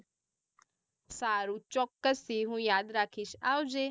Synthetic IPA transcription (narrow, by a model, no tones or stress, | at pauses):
saːɾũːt͡ʃɔːkːəsiːɦũːjaːd̪ɾaːkʰːɪʃaːud͡ʒeː